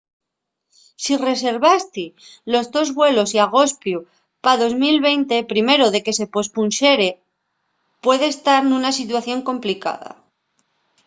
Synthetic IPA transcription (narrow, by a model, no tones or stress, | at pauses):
sire̞se̞ɾβast̪ilo̞zðo̞zβwe̞lo̞siaɣ̞o̞spju | paðo̞zmilβ̞e̞jnt̪e̞pɾime̞ɾoðe̞ke̞se̞po̞spunʃe̞ɾe̞ | pwe̞ðe̞ːst̪aɾnunasit̪̬waθjo̞ŋko̞mplika̰ða̰